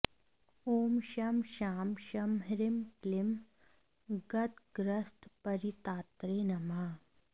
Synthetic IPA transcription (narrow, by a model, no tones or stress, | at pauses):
oːmʃɐmʃaːmʃɐmɦɾɪmklɪm | ɡɐt̪ɡɾɐst̪pɐɾit̪aːt̪ɾeːnɐma